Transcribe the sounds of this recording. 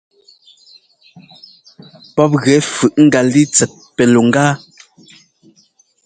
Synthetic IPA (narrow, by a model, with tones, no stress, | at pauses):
pɔ˦p̬̚ɣɛ˨˦fɯ˨ʔŋ̩˦ɡa˨li˦t͡sɛ˨t̚pɛ˨lo˨ŋ˦ɡaː˦